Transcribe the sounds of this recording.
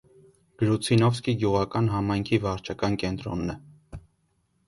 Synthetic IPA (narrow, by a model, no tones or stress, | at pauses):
ɡ̥əɾut͡sʰinɔfskiɡjuʁɑkɑnɦɑmɑjŋkʰivɑɾt͡ʃʰɑkɑnkɛnt̪ɾɔ̰nːɛ